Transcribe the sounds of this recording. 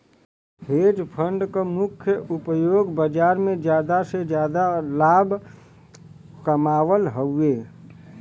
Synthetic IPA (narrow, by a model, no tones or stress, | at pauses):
ɦeːd͡ʒpʰəɳɖkamʊkʰjəʔupəjoːɡbəd͡ʒaːɾmẽd͡ʒjaːd̪ased͡ʒjaːd̪alaːbʱ | kəmaːʋəlɦəe